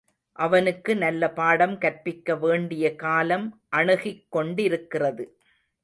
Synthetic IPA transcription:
ʔɐʋɐnɯkːɯnɐlːɐpaːɽɐmkɐɾpɪkːɐʋeːɳɖɪjɐkaːlɐmʔɐɳɯɣɪkːɔɳɖɪɾɯkːɪrɐðɯ

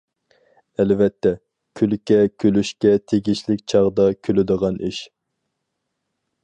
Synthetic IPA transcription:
ɛlvɛt̪ʰːɛ | kʲʰylkʲɛkʲʰølyʃkʲɛt̪ʰeɡʲiʃlɪk̚ʲt͡ʃʰɑʁd̪ɑkʲʰølɪd̪əʁɑnḭʃ

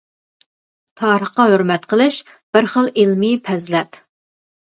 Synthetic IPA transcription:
t̪ʰɑːɾəχqɑhøɾmɛt̪qʰəlˠɨʃ | b̥ɪɾχəlˠilmipʰɛzlɛt̪

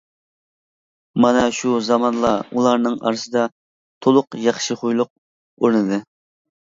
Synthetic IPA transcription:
mɑnɑʃuzɑmɑnlˠɑulˠɑɾnɨŋɑ̰ɾsɨd̪ɑ | t̪ʰolˠʊqjɑχʃɨχʊjlˠʊq̚ | oɾnɨd̪ɨ

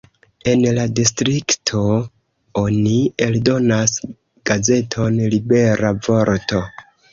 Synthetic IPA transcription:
e̞nladistɾiktʰo̞ | onieldo̞nas | ɡ̥aze̞tʰo̞nlibe̞ɾavo̞ɾto̞

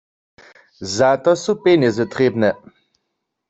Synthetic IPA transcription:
zat̪ɔsupenɛzɛt̪ɾebnɛ

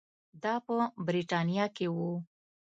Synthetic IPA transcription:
d̪ɑpəbɾiʈɑnijɑkewu

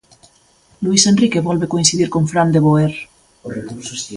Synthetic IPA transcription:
luisenrikeβɔlβekoinsiðiɾkoɱfɾand̪eβoeɾ | ekus

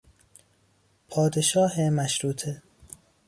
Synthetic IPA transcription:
pʰɒːd̪eʃɒːhemæʃɾuːt̪ʰe

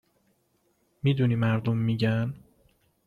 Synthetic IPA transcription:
miːd̪uniːmæɾd̪omːiɟæn

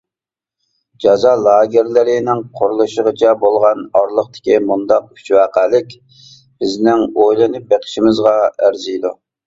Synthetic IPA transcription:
d͡ʒɑzɑːlˠɑːɡʲɪɾlɪɾɪnɪŋqʰʊɾulˠuʃəʁət͡ʃʰɛbolˠʁɑnɑɾlˠəqt̪ʰɪ̥kʲimund̪ɑq̚y̥t͡ʃwæqælɪkʲ | b̥ɪznɪŋojlˠɨnɨp̚beqʰə̥ʃimɪzʁɑæɾzijd̪u

